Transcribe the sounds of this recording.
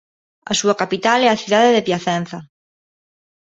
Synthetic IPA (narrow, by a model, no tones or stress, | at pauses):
asuakapit̪alɛaθjuðaðeðepjaθɛn̟θa